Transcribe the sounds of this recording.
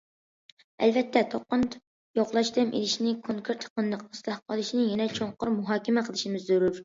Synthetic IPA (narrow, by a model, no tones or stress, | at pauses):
ɛ̰lvɛt̪ʰːɛt̪ʰoqːʊnt̪ | joqlˠɑʃt̪ɛmʔḛlɪʃnɪkʰoŋkʰuɾt̪jə̥qənd̪ˠəqust̪ɑhqʰɑlˠɨʃinɪjɛnɛt͡ʃʰoɴqʊɾmuɦɑːkʲɪmɛqʰəlˠɨʃɪmɪzøɾuɾ